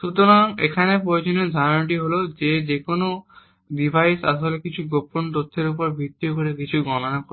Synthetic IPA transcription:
ʃut̪oɾaŋekʰanepɾojod͡ʒonod̪ʱaʈ̬iɦolod͡ʒed͡ʒekono | ɖibʱajsa̰tolekit͡ʃʰuɡopont̪ot̪ʰːeɾupɔɾbʱit̪ːiokoɾekit͡ʃʰuɡɔnɔnako

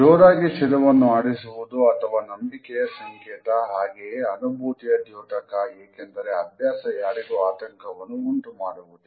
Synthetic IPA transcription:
d͡ʒoːɾaːɡit͡ʃilɐʋɐnːuaːɽisuʋud̪uɐt̪ʰɐʋaːnɐmbikɛjɐsɐŋkeːʈɐɦaːɡejeɐnubʱuːt̪ijɐd̪juːʈɐkɐeːkend̪ɐɾeɐbʱjaːsɐjaːɽiɡuaːt̪ɐŋkʰɐʋɐnːuːɳʈumaːɽuʋud̪u

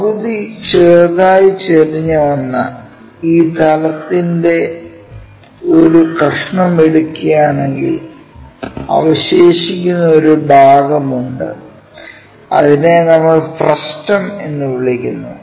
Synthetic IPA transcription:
ɐʋuðit͡ɕeːðaːjit͡ɕeriɲːɐʋɐnːɐ̰ | iːt̪ɐlɐt̪ːinde̞ | o̞ɾukrɐʂɐɳɐmeɽukʲːujaːne̞ŋɡḭl | ɐ̰ʋɐɕe̞ːɕikʲːunːɐo̞ɾubʱaːɡɐmuɳɖɨ̰ | ɐ̰ðine̞nɐmːɐɭfrɐstɐme̞nːɨʋiɭikʲːunːu

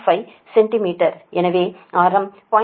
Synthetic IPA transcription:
fɐɪ | sɛɳʈɪmiːʈɐɾʔɛnɐʋeːaːɾɐmpaː

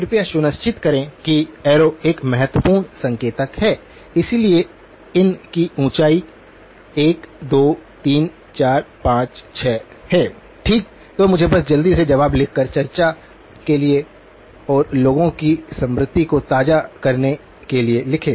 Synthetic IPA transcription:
pɾʊpijaʃʊnəst͡ʃɪt̪kɐɾẽkiɛːɾoeːkmɛɦət̪wəpuːɾnsɐ̃ŋkeːt̪əkɦɛː | ɪsilie | ɪnkiũːt͡ʃaːi | eːkd̪oːt̪iːn | t͡ʃaːɾpãːt͡ʃt͡ʃʰɛː | hɛː | ʈʰiːk̚ | t̪oːmʊd͡ʒʱebɐsd͡ʒɐld̪ised͡ʒɐʋaːblɪk̚ʰkəɾt͡ʃɐɾt͡ʃa | kelie | ɔːɾloːɡõkisɐ̃mɾɪt̪ːikot̪aːd͡ʒakɐɾne | kelielɪkʰẽː

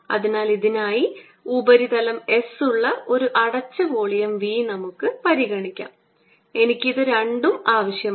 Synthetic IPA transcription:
ɐ̰ðinaːliðinaːji | ubɐɾiðɐlɐme̞suɭːɐʔo̞ɾuʔɐɽɐt͡ɕːɐʋoːɭijɐmʋiːnɐmukːɨpɐɾiɣɐɳikʲːa̰ːm | e̞nikʲːiðɨɾeɳɖumaːʋɐɕjɐ

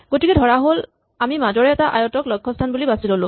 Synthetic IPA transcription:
ɡotikɛdʱɔɹaɦol | amimazɔɹɛɛtaʔa̰jɔtɔklɔkʰːɔstʰanbulibasilolʊ̃

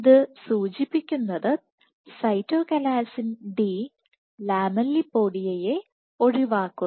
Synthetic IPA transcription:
iðɨsuːt͡ɕipːikʲːunːɐðɨ | sɐjtːo̞ːkɐlaːsinɖi | laːmɐlːipːo̞ːɽijeje̞ | o̞ɻiʋaːkːu

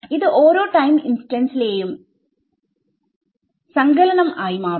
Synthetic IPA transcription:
iðɨʔoːɾo̞ːʈɐjminsʈɐnsileːjum | sɐŋɡɐlɐnɐmaːjimaː

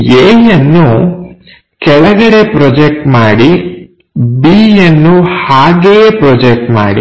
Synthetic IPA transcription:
eːjɐnːu | kɛɭɐɡɐɽe̞pɾɔd͡ʒek̚ʈmaːɽi | biːjɐnːuhaːɡeːpɾɔːd͡ʒek̚ʈma̰ːɽḭ

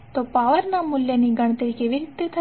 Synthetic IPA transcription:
t̪opaːʋəɾnamʊljaniɡɐɳ̃t̪eɾikeːʋiɾit̪et̪ʰɐ

